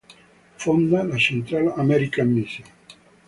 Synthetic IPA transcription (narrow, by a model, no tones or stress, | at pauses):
fond̪alat͡ʃent̪ɾalamɛɾikamːisa